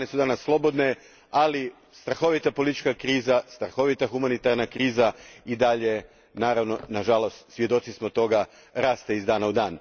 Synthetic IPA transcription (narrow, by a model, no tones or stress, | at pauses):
nesud̪anasːlˠo̞bo̞d̪ne̞ | ali | st̪ɾaxo̞ʋit̪apo̞lit̪it͡ʃkakɾiːzast̪ɾaxo̞ʋit̪axumanit̪aɾnakɾiːzaid̪aʎe̞ | naːɾaʋno̞naʒalo̞st̪sʋje̞d̪o̞t̪sismo̞t̪o̞ɡa | ɾaːst̪e̞izd̪aːnaud̪aːn